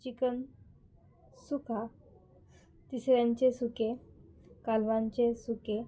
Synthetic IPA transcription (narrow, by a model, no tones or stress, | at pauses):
t͡ɕikən | sukʰa | t̪isɾjãɲt͡ɕesuke | kalʋãɲt͡ɕesuke